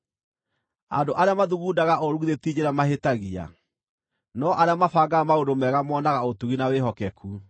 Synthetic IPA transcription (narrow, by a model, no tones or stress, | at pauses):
a̰ndoʔaɾeamaðuɣuːdaɣaʔɔɾuðetid͡ʑeɾamaɦetaɣia̰ | nɔʔaɾeamafaɡamaondomɛɣamɔːnaɣaotuɣinaweɦɔkɛkʰu